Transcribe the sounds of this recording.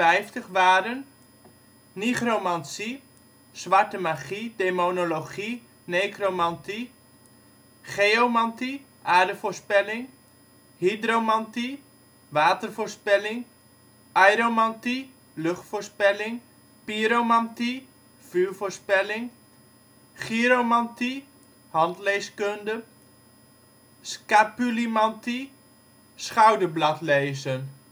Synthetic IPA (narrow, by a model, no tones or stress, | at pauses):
ɛjftəχʋaːdən | niχromansi | sʋartəmaχideːmonoloχi | neːkromanti | χeomanti | ʔaːdəfoɹspɛlɪŋ | hidromanti | ʋaːtərfoːɹspɛlɪŋ | ajɾomanti | løχtforspɛlɪŋ | piɾomanti | fyːɹfoːɹspɛlɪŋ | χiɾomanti | hɑntlejskøndə | skapylimanti | sχawdəblatleːzən